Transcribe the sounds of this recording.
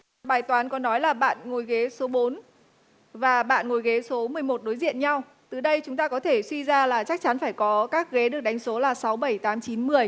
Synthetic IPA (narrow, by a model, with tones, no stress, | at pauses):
ɓaː˨˩jt̪waː˨˦nkɔ˨˦nɔ˨˦jlaː˨˩ɓa̰ː˧˨nŋo˨˩jɣe˨˦so˨˦ɓo˨˦n | vaː˨˩ɓa̰ː˧˨nŋo˨˩jɣe˨˦so˨˦mɨ˨˩əjmo˨˩t̚ɗo˨˦jzḭ˧˨ənɲa˧w | t̪ɨ˨˩ɗə˧jt͡ɕʊ˨˦ŋ͡mt̪aː˧kɔ˨˦t̪ʰe˧˩swi˧zaː˧laː˨˩t͡ɕa˦˥k̚t͡ɕa˨˦nfaː˧˩jkɔ˨˦kaː˦˥k̚ɣe˨˦ɗɨ˨˩ək̚ɗa˨˦jŋ̟so˨˦laː˨˩sa˨˦wɓə˧˩jt̪aː˨˦mt͡ɕi˨˦nmɨ˨˩əj